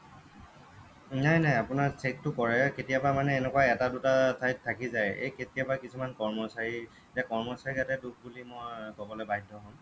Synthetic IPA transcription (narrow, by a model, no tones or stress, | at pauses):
najnajapʊnaɹsek̚tʊkɔɹɛketijabamanɛːnɛkwajɛtadutasʰajttʰːakizajḛjketijabakisʰumankɔɹmɔsaɹi | zakɔɹmɔsaɹiatɛduk̚ʰbulimojkɔbɔlɛbaɦtːɔɦɔm